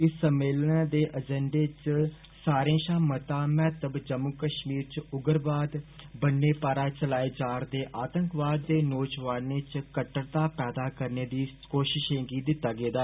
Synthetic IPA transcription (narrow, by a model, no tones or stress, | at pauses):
ɪsːəmeːlnaːd̪eːʔəd͡ʒɛ̃ɳɖeːt͡ʃ | saːɾẽːʃãːmət̪ãːmɛ̃ːt̪əbd͡ʒəmːʊkəʃmiːɾt͡ʃʊɡəɾbaːd̪bənːeːpaːɾaːt͡ʃəlaːeːd͡ʒaːɾd̪eːʔaːt̪əŋkʋaːd̪ːeːnoːd͡ʒʋaːneːt͡ʃkəʈːəɽt̪aːpɛːd̪aːkəɾneːd̪iːkoːʃɪʃẽːɡiːd̪ɪt̪ːaːɡeːd̪aː